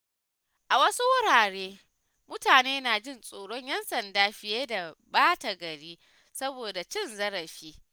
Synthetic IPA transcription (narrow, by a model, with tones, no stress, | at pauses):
ʔa˨wɐ˦su˦wʊ˦ɽaː˨ɽeː˦ | mʊ˦taː˨neː˦naː˨d͡ʒɪ˦˨nsʼoː˨ɽɔ˦ɲjɐ˦nsɐ˨ndaː˦ɸɪ˦jeː˦da˨baː˦ta˨ɡɐ˨ɽiː˦ | sɐ˦boː˨da˨t͡ʃɪ˦nzɐ˦ɾɐ˨ɸiː˦